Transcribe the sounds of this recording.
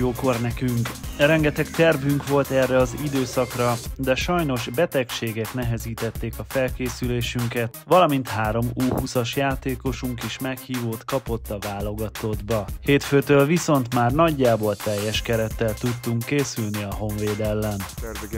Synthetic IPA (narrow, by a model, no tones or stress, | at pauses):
joːko̞rnɛkyŋkrɛŋɡɛt̪ɛkt̪ɛrvyŋkʋo̞lt̪ɛrːɛɒzid̪øːsɒkrɒd̪ɛʃɒjno̞ʒbɛt̪ɛkʃeːɡɛknɛɦɛziːt̪ɛt̪ːeːkɒfɛlkeːsyleːʃyŋkɛt̪ʋɒlɒmint̪haːɾo̞muːhusɒʃjaːt̪eːko̞ʃuŋkiʃmɛkhiːvoːt̪kɒpo̞t̪ːɒvaːlo̞ɡɒt̪o̞d̪bɒheːt̪føːt̪øːlviso̞nt̪maːrnɒɟːaːbo̞lt̪ɛjːɛʃkɛɾɛt̪ːɛlt̪ut̪ːuŋkːeːsylniɒɦo̞ɱveːd̪ɛlːɛn